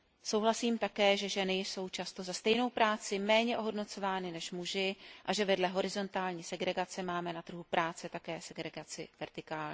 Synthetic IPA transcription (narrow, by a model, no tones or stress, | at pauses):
so̞wɦlasiːmt̪akɛːʒɛʒɛnɪjso̞wt͡ʃast̪o̞zast̪ɛjno̞wpɾaːt͡sɪmɛːɲɛʔoɦo̞dno̞t͡so̞vaːnɪnɛʃmuʒɪʔaʒɛvɛdlɛɦo̞ɾɪzo̞nt̪aːlɲiːsɛɡɾɛɡat͡sɛmaːmɛnat̪r̩ɦupɾʔaːt͡sɛt̪akɛːsɛɡɾɛɡat͡sɪ̰vɛɾt̪ɪkaːlɲ